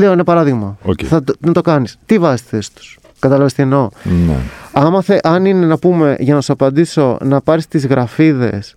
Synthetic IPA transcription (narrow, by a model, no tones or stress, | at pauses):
leoinepɐɾɐðiɣmɐoeθɐnɐt̪o̞kɐnist̪ivɐzist̪i̥θe̞si̥t̪u̥s | kɐt̪ɐlɐvest̪ieno̞nḛɐmɐθe̞ʔɐnine̞nɐpume̞ʝɐnɐsɐpɐnd̪iso̞nɐpɐɾist̪izɣɾɐfiðe̞̰s